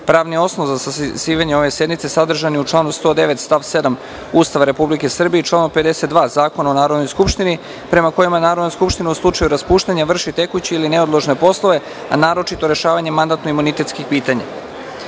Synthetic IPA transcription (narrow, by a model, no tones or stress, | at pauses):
pɾaːʋnio̞snozasasiːʋaɲeo̞ʋe̞se̞d̪mit̪se̞sad̪r̩ʒaniut͡ʂlˠaːnust̪o̞d̪e̞ʋe̞t̪st̪aʋse̞d̪am | ust̪aʋaɾe̞publike̞sr̩bijet͡ʃlaːnoped̪e̞set̪d̪ʋaːzaːko̞naonaːɾo̞d̪no̞jskupʃt̪ini | pɾe̞mako̞jimanaːɾo̞d̪noskupʃt̪ineuslˠut͡ʂajuɾaspuːʃt̪aɲaʋr̩ʃit̪e̞kut͡ɕeilineod̪lˠoʒne̞po̞slˠo̞ʋe̞ | anaːɾo̞t͡ʃit̪o̞ɾe̞ʃaːʋaɲe̞mand̪at̪noimunit̪e̞t̪skixpiːt̪aɲa̰